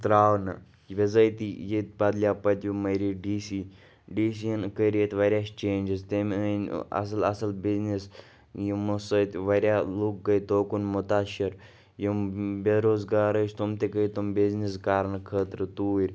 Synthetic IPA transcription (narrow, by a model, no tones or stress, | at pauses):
t̪ɾaːʋnɨ | ʋezɐjt̪ijet̪̚bɐd̪lijaːpɐt̪ʲjumɐɾiɖiːsiː | ɖiːsiɐnkəɾʲet̪ʋɐɾʲjaːst͡ʃeːnʲd͡ʒizt̪emnɐ̰sɐlɐsɐlbiznis | jimusɐːt̪ʋɐɾʲjaːluk̚ɡɐjt̪oːkunmʊt̪aːʃiɾ | jimbeɾoːzɡaːɾəːt͡ʃʰt̪umt̪ekəit̪umbiznis̬kaːɾnkʰəːt̪ɾɨt̪uːɾʲ